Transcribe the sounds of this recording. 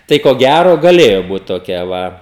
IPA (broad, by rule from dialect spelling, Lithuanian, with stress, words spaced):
ˈtɐɪ koː ˈɡʲæroː ɡɐˈlʲeːjoː ˈbuːt toːˈkʲɛ ˈʋɐ